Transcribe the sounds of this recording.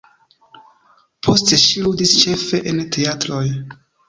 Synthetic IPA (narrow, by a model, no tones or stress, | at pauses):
pʰo̞ste̞ʃiludist͡ʃe̞fe̞ʔentʰe̞atɾo̞j